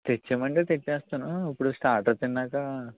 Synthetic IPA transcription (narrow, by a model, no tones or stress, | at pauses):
t̪et͡ʃːemɐɳʈet̪et͡ʃːeːst̪unuːpːuɽusʈaːɾʈɐt̪inːaːkɐ